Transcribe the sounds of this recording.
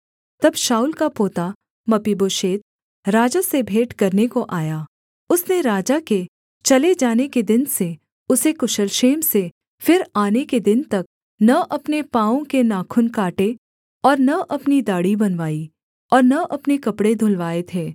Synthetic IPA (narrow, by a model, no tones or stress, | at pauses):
t̪ɐbʃaːʊlkapoːt̪a | mɐpiboːʃeːt̪̚ | ɾaːd͡ʒasebʱeːʈkɐɾnekoʔaːjaː | ʊsneɾaːd͡ʒake | t͡ʃɐled͡ʒaːneked̪ɪnse | ʊsekʊʃəlʃeːmse | fɪɾaːneked̪ɪnt̪ɐk̚ | nɐʔɐpnepãːõkenaːkʰʊnkaːʈe | ɔːɾnɐʔɐpnid̪aːɽibɐnʋaːi | ɔːɾnɐʔɐpnekɐpɽed̪ʱʊlʋaːet̪ʰeː